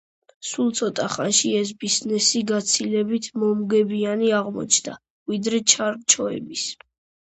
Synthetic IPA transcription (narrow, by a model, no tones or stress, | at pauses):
sulˠt̪sʰɔt̪ʼaχa̰nʃiɛs̬biznɛsiɡat̪sʰilɛbit̪ʰmɔmɡɛbianiaʁmɔ̰t͡ʃʰd̪a̰ | vid̪ɾɛt͡ʃʰaɾt͡ʃʰɔɛ̰bis